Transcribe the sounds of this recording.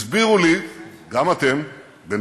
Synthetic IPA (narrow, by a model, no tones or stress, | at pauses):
zbiʁuliɡamat̪e̞m | ben